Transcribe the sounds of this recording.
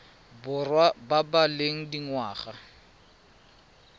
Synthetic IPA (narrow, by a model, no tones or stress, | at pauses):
bʊrwababaleŋ̩diŋwaːχa